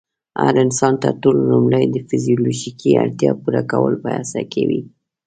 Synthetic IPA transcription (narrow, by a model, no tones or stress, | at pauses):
haɾɪnsɑnt̪aʈollumləjd̪əfizijoloʒikʰiaɽt̪jɑpuɾakawəlpəjasakewi